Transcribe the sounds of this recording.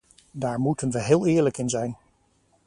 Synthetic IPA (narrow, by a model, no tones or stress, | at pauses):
daːɹmutənʋəɦɪːlˠɪːɹləkɪnzɛjn